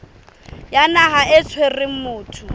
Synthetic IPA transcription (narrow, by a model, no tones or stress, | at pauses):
janaɦaʔɪt͡sʰwerɪmʊːtʰʊ